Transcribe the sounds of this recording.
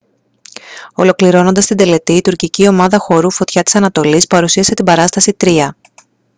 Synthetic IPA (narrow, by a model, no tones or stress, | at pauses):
o̞lo̞kliɾo̞no̞nd̪ɐst̪ind̪e̞le̞t̪iːt̪uɾcicio̞mɐðɐxo̞ɾufo̞t̪çɐt̪i̥sɐnɐt̪o̞lispɐɾusiɐse̞t̪imbɐɾɐst̪ɐsit̪ɾiɐ